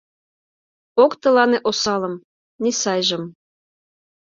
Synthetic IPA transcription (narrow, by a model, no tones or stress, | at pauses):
okt̪ɤ̆lɑneʔosɑlɤ̆m | nisɑjʒɤ̆m